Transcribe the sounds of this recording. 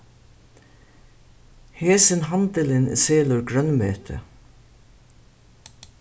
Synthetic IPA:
heːsɪnɦɑnt̪əlɪnseːlʊɹɡɾœnmeːt̪ʰə̰

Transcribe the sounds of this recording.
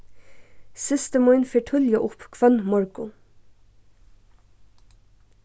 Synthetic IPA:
sɪst̪əmɔʏnfeːʈʰʏljəʔʊpkʰʋœnmɔɹɡʊ

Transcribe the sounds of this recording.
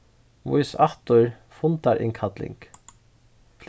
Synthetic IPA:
ʋʊ̰ʏsɑht̪ʊɹ | fʊnt̪ɑɾʔɪ̰ŋkʰɑd̪lɪ̰ŋk | fl

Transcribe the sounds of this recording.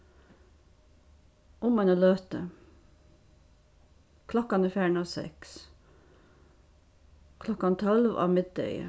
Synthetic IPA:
ʔʊmɑnoːløːt̪ə | kʰlɔkɑniːfjæːɳoːsɛ̰ks | kʰlɔkɑnt̪ʰɔlʋɑ̰ːmɪd̪̚œ̰ʏə̰

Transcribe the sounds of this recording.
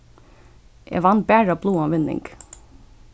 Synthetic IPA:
ʔḛːʋɑnbæːɹɑːbluːɑːʋɪnɪ̰ŋɡ

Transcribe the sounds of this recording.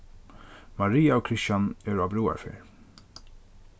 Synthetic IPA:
maɹiːaɔkʰɾɪsjanɛɹabɾuːa̰ɹfḛɹ

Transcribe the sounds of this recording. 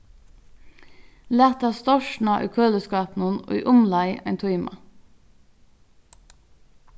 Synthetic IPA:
læːt̪ɑst̪ɔʃɳ̩ɑʔḭːkʰøːləskɑːpn̩əno̰ːḭːʔʊmlɑɪʔæ̰ɪnt̪ʰɔɪmɑ̰

